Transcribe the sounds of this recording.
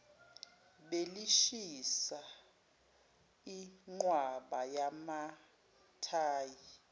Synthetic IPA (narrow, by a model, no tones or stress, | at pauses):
ɓeliʃisa | iŋ͡ǃwaɓajama | tʰaːji